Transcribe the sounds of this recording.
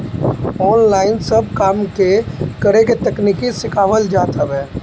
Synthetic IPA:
ɔːnlaːɪnsəb̚kaːmkekəɾeket̪ɐkniːkisɪkaːʋəld͡ʒaːt̪ʰəbɦɛː

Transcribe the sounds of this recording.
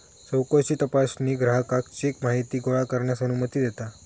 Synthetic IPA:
səwkot͡ɕiːt̪əpasniːɡɾaɦəkakt͡ɕiekmaɦit̪iːɡoɭakəɾɳjasənumət̪iːd̪et̪a

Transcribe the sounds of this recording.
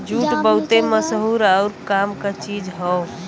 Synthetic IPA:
d͡ʒʱuʈbəɦt̪eməsɦuɾəʊɾkamkat͡ʃid͡ʒɦɔ

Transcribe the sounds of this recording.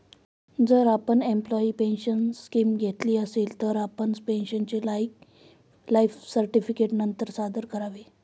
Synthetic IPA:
d͡zəɾapəɳemplɔiːpenɕənskimɡʱet̪liːəselt̪əɾapəɳspenɕənt͡ɕelaik | laifsəɾʈifikeʈnənt̪əɾsad̪əɾkəɾaʋe

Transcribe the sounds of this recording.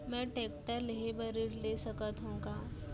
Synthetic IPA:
mɛ̃ʈek̚ʈəɾleɦebəɾiːɽlesəkət̪ɦõŋkã

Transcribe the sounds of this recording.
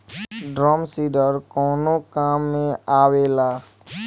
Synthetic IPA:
ɖɾɔːmsiːɖəɾkɔːnokaːmːẽaːweːlaː

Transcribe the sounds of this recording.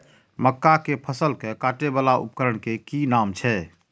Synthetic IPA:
məkːakepʰəsəlkekaʈebalaʔṵp̚kəɾəɳkekinamt͡ʃʰɛ

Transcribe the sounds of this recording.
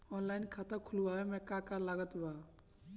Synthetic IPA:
ɔnlajnkʰat̪akʰulubaɦɛmɛkakaɾlaɡɔt̪ba

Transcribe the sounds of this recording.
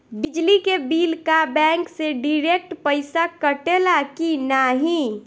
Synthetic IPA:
bid͡ʒlikebiːlkabɛ̃ŋkseɖiɾek̚ʈpəɪsakəʈelakinaɦĩ

